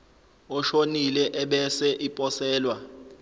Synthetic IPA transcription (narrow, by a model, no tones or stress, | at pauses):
ɔʃonilɛʔɛɓɛsɛʔipʼɔsɛːlwa